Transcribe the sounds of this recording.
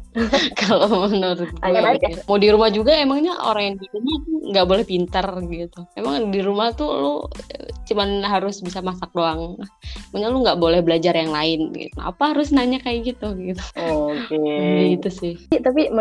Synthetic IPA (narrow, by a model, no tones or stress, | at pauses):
kalomənuɾʊt̪̚amadiɾumahd͡ʒuɡaemaŋɲaʔo̰ɾaŋjaŋdiɾumaht̪uŋɡaʔbolɛhpint̪ərɡit̪uemaŋdiɾumaht̪ulo | t͡ʃumanɦaɾʊsbisamasak̚doaŋmaɲaluŋɡaʔbolɛhbəlad͡ʒarjaŋlaɪnḭkəna̰paɦaɾʊsnaɲakajaɡit̪uɡit̪u̥okeɡit̪usɪht̪apim